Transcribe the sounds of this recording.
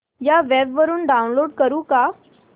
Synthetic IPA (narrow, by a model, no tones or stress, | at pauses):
jaʋɛbʋəɾuːnɖaunloɽkəɾũːka